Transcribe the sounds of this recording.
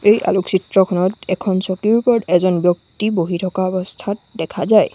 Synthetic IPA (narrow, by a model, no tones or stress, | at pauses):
ejʔa̰luksitɹɔkʰɔnɔtɛkʰɔnsɔkiɹupɔdɛzɔnbjɔk̚tiboɦitʰɔkaɔbɔstʰat̚dɛkʰazaj